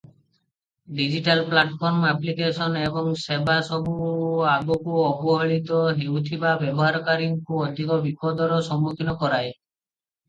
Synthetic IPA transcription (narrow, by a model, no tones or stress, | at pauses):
ɖid͡ʒiʈalplaʈpʰɔɾmaplikesɔnebɔŋsebasɔbuaɡɔkuɔbɔɦɔɭit̪ɔɦewt̪ʰibabebɔɦaɾɔkaɾiŋkuɔd̪ʱikɔbipɔd̪ɔɾɔsɔmukʰinɔkɔɾaj